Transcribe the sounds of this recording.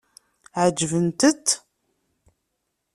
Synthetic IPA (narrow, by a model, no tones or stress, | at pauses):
ʕəd͡ʒːvənt̪ət̪